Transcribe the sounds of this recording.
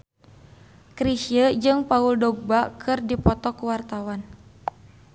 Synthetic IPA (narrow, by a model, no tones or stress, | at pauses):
kɾiʃiəd͡ʒɨŋpauldɔɡ̚bakʰɨrdipɔt̪ɔkuwart̪awan